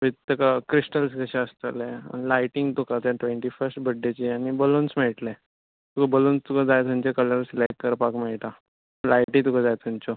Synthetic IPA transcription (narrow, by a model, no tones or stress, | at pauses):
ʋit̪t̪ːəkakɾisʈəlskəɕɛ̃əst̪əlḛlajʈiŋɡt̪ukat̪jaʈʋeɳʈifəɾsʈbəɖːet͡ɕiañibəlonsmeʈlɛ | t̪ukabəlonst̪ukãd͡zajt̪umt͡ɕekələɾslajk̚kəɾpakmeɭʈ̪a | lajʈiŋt̪ukãd͡zajt̪ʰumt͡ɕo